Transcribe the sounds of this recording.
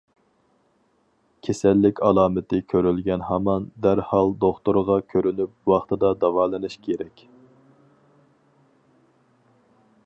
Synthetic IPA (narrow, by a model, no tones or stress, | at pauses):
kʲʰesɛlːɪkʲʰɑlˠɑːmɪt̪ɪkʲʰøɾylɡʲɛnhɑmɑnd̪æɾhɑlˠd̪oχt̪uɾʁɑkʲʰøɾynyp̚wɑχt̪ʰɨd̪ɑd̪ɑwɑːlˠɨnɨʃkʲʰeɾɛkʲ